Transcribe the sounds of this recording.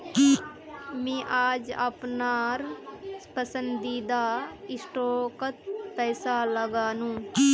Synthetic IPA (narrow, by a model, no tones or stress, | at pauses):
ki | mẽːʔaːd͡ʒə̰pnaːɾspəsə̃nd̪id̪aɪsʈoːkət̪pɛːsaləɡaːnũːki